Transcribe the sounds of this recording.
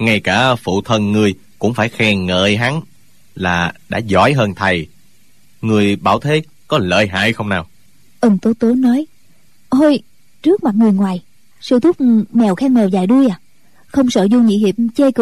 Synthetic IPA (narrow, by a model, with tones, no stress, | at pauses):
ŋa˧jkaː˧˩fṵ˧˨t̪ʰə˧nŋɨ˨˩əj | kʊ̰˧˥ŋ͡mfaː˧˩jxɛ˧ŋə̰ː˧˨jɦa˨˦ŋ | laː˨˩ɗa̰ː˧˥zɔ̰˧˩˦jɦəː˧nt̪ʰə˨˩j | ŋɨ˨˩əjɓaː˧˩wt̪ʰe˨˦ | kɔ˨˦lə̰ː˧˨jɦa̰ː˧˨jxə˧wŋ͡mnaː˨˩w | ʔə˨˧˩ŋt̪o˨˦t̪o˨˦nɔ˨˦j | ʔo˧j | t͡ɕɨ˦˥ək̚ma˨˩t̚ŋɨ˨˩əjŋwaː˨˩j | sɨ̰˧t̪ʰu˦˥p̚mɛ˨˩wxɛː˧ŋmɛ˨˩wza̰ː˧˩jɗu˧əjaː˨˩ | xə˧wŋ͡msəː˧˨˩zu˧ɲḭ˧˨˥hḭ˧˩əp̚t͡ɕe˧k